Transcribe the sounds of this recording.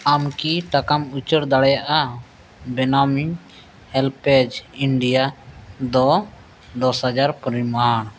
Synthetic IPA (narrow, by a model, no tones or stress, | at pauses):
amkiʈakamut͡ʃəɾd̪aɽɛjaʔa | bɛnamiɲ | hɛlpɛd͡ʒiɳɖijad̪ɔ | d̪ɔshad͡ʒaɾpəɾimaɳ